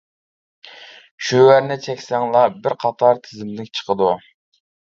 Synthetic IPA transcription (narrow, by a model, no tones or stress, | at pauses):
ʃøwæɾnɪt͡ʃʰɛkʲsæŋlˠɑbɪɾqʰɑt̪ʰɑɾt̪ʰɪzɪmlɪkʲt͡ʃʰə̥qʰəd̪u